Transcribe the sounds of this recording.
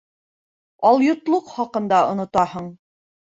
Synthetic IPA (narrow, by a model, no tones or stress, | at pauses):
ɑlˠjŏt̪lˠoqχɑqɤ̆nd̪ɑŏ̰nŏt̪ɑhɤɴ